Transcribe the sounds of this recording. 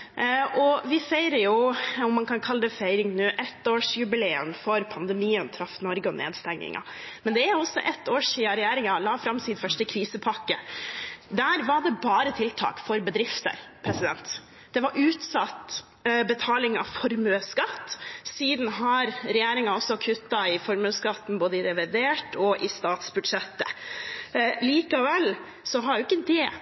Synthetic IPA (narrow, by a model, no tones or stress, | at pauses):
ʔɔʋɪfæɪɾəjʊɔmːɑnkʰɑnkʰɑlːəd̪ɛfeɪɾɪŋnʉːʔɛt̪ːoːʂjʉbɪleːə̰nfɔɾpʰɑnd̪ɛmiːənt̪ʰɾɑfːnɔɾɡəɔnʔḛːd̪st̪ɛŋːɪ̰ŋɑ̰ | mɛnd̪ɛæɾjʊɔsːɔ̰ʔɛt̪ːoːʂiːɑɾɛjæːɾɪŋɑlɑːfɾɑmsiːd̪fœʂʈəkʰɾiːsəpʰɑkːə | d̪æːɾʋɑɖɛbɑːɾət̪ʰɪlt̪ʰɑ̰ːkfɔɾbəd̪ɾɪft̪ə̰ɾpʰɾɛsɪd̪ɛnt̪ | d̪̥ɛʋɑɾʔʉːt̪sɑt̪ | bət̪ʰɑːlɪŋɑ̰fɔɾmøskɑt̪ːsiːd̪n̩ɦɑɾɾɛjeːɾɪŋɑɔsɔkʰʉt̪ːɑɪfɔɾmøːskɑt̪ːn̩boːd̪əɪɾɛʋɪd̪eːʈɔʔɪst̪ɑːt̪sbʉd̪ʂɛt̪ːə | liːkɑʋɛlː | sɔɦɑɾjʊɪkːəd̪ɛ